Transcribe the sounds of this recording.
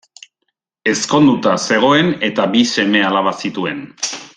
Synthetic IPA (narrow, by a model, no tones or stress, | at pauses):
e̞sko̞nd̪ut̪ase̞ɣ̞o̞e̞ne̞t̪abise̞me̞alaβ̞asit̪ue̞̰n